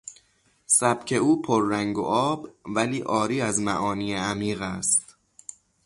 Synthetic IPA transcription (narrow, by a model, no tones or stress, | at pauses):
sæbcʰe̞uːpʰoɾːæŋɡo̰ʔɒːbvæliːʔɒːɾiːæzmæ̰ʔɒːniːeæmiːɣæst̪